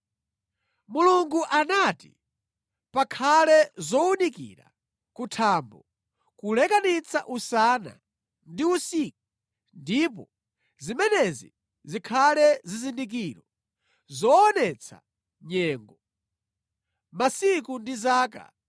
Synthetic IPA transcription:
muluŋɡuʔanatḭ | pakʰalɛzɔunikḭɾa̰ | kutʰaːmbɔ | kulɛkanit͡sʰa̰ʔusana̰ | ndiusiku̥ | ndip̬ɔ | zimɛnɛzḭ | zikʰalɛzizindik̬iɾɔ | zɔːnɛt͡sʰa̰ | ɲɛːŋɡɔ | masikundizaːk̬a̰

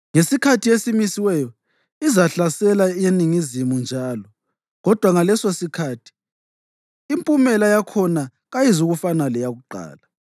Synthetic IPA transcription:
ŋesikʰatʰijesimisiwɛjɔ | izaɬasɛlajeniŋizimund͡ʒʱaːlɔ | ɣɔd̥ʱwaŋalɛsosikʰaːtʰi̥ | mpʼumɛlajakʰɔna | ɣajizuɣufanalɛjaɣuǃa̰ːla

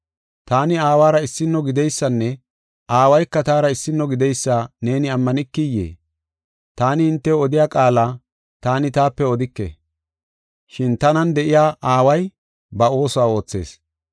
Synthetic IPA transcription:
t̪aːnɪaːwaːɾɐɪsːɪnːɔɡɪd̪ɛjsːɐnːɛ | aːwɐjkːɐt̪aːɾɐɪsːɪnːɔɡɪd̪ɛjsːaːne̞ːnɪɐmːɐnɪkːɪjːḛː | t̪aːnɪhɪnt̪ːɛɔd̪ɪjaːkʼaːlaː | t̪aːnɪt̪aːpːɛɔd̪ɪkːɛ̰ | ʃɪnt̪ɐnɐnd̪ɛʔɪjaːʔaːwɐj | bɐo̞ːsɔaːo̞ːt͡sːe̞̰ːs

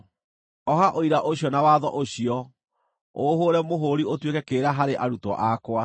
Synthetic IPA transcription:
ɔɦaʔoiɾaʔoɕiɔnawaːðɔʔoɕiɔ | oɦoɾɛmoɦoɾiotwekɛkeɾaɦaɾeʔaɾutɔ̰ʔakwa

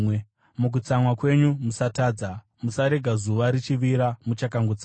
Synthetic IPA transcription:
muk̬ut͡samwakwe̞ɲumusataːd͡za | musaɾe̞ɡʱazuʋaɾit͡ʃiʋiɾamut͡ʃakaŋɡut͡sa

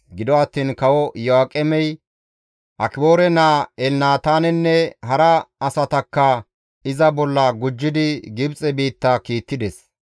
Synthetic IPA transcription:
ɡɪd̪ɔɐt̪ːiːnkɐwɔjɔaːkʼɛmɛj | ʔɐkɪboːɾɛnaːɛlnaːt̪aːnɛnːɛɦɐɾɐɐsɐt̪ɐkːɐ | ɪzɐbɔlːɐɡʊd͡ʒːɪd̪ɪɡɪbt͡sʼɛbiːt̪ːɐkiːt̪ːɪd̪ɛs

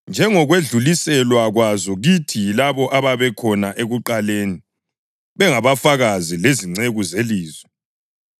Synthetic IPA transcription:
nd͡ʒʱɛŋɔɣweɮulisɛlwaɣwazɔɣitʰilaβɔʔaβaβɛkʰɔnaʔeɣuǃaleːni | βɛŋaβafaɣazileziŋ͡ǀeɣuzeliːzwɛ

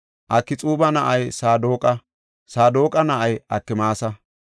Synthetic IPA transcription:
ʔɐkːɪt͡sʼuːbɐnɐʔɐjsaːd̪oːkʼɐ | saːd̪oːkʼɐnɐʔɐjʔɐkːɪmaːsɐ

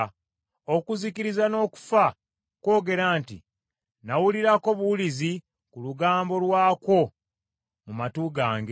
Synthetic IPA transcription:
okuzikiɾizano̞ːku̥fa | ko̞ːɡe̞ɾaːntḭ | nawuliɾako̞βuwulizi | kuluɡaːmbo̞lwaːko̞ | mumatuɡaːŋɡe

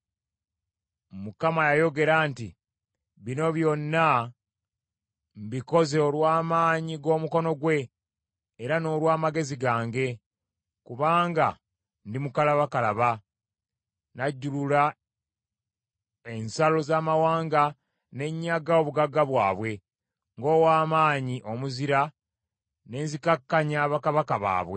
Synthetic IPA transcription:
mukamajajo̞ɡe̞ɾaːnti | βino̞βjo̞nːa | mbiko̞zeolwaːmaːɲiɡo̞ːmuko̞no̞ɡwe̞ː | ɾano̞ːlwaːmaɡe̞ziɡaːŋɡe̞ | kuβaːŋɡa | ndimukalaβakalaβa | naɟːulula | e̞nsalo̞zaːmawaːŋɡa | ne̞ɲːaɡao̞βuɡaɡːaβwaːβwe̞ | ŋɡo̞ːwaːmaːɲiʔo̞muziɾa | ne̞ːnzikakːaɲaːβakaβakaβa̰ːβwe

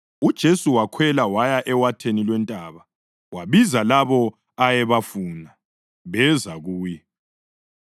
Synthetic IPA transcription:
ud̥ʒ̥ʱesuwakʰwɛlawajaʔɛwatʰenilwɛntʼaːβa | waβizalaβɔ | ajɛβafuːna | βɛzaɣuːjɛ

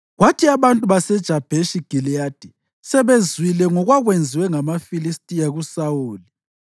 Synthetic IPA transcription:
ɣwatʰiaβantʼuβasɛd̥ʒ̥ʱab̥ʱeʃiɡ̥ʱilijad̥ʱi | sɛβezwilɛŋɔɣwaɣwend͡zʱiwɛŋamafilistʼijaɣusauːli

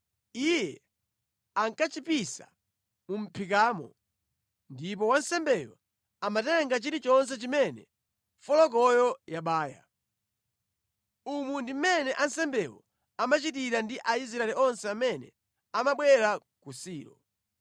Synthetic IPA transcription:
ijɛ | aŋkat͡ʃipisa̰ | mum̩pʰik̬aːmɔ̰ | ndip̬ɔwansɛmbɛjɔ̰ | amatɛɛŋɡat͡ʃiɾit͡ʃɔns̬ɛt͡ʃimɛnɛ̰ | fɔlɔk̬ɔjɔjaɓaːja̰ | umundim̩mɛnɛʔansɛmbɛwɔ̰ | amat͡ʃit̬iɾandiʔais̬ɾaɛliɔnsɛamɛnɛ̰ | amaɓwɛɾa | kusiːɾɔ̰

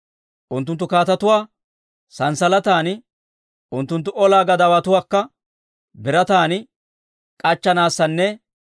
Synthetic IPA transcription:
ʔʊnt̪ːʊnt̪ːʊkaːt̪ɐt̪ʊwaː | sɐnsɐlɐt̪aːn | ʔʊnt̪ːʊnt̪ːʊʔɔlaːɡɐd̪ɐwɐt̪ʊwaːkːɐ | bɪɾɐt̪aːnɪ | kʼɐt͡ʃːɐnaːsːɐnːɛ

